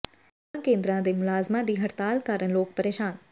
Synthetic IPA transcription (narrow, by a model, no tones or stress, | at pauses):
ãkẽːnd̪ɾãːd̪eːmʊlaːzmãd̪iːɦɐɾt̪aːlkaːɾəɳloːk̚pəɾeːʃaːn